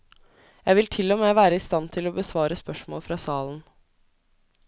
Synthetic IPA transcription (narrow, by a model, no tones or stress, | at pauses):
jæɪʋɪlt̪ʰɪlːɔmeːʋæːɾəɪst̪ɑnt̪ʰɪloːbəsʋɑːɾəspœʂmo̰ːlfɾɑːsɑːlən̩